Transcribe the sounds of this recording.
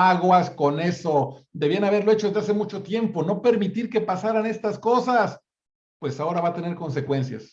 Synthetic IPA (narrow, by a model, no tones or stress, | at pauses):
aɣwasko̞ne̞so̞d̪eβianaβ̞e̞ɾlo̞et͡ʃoezðease̞mut͡ʃo̞t̪je̞mpo̞no̞pe̞ɾmit̪iɾke̞pasaɾane̞st̪asko̞sas | pwe̞sao̞ɾaβat̪e̞ne̞ɾko̞nse̞kwe̞nsja̰s